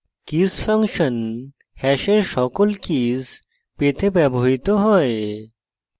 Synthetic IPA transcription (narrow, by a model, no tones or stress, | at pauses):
kisfʰaŋʃon | hɛʃeɾʃɔkolkiz | pet̪ʰebɛboɦit̪oɦɔe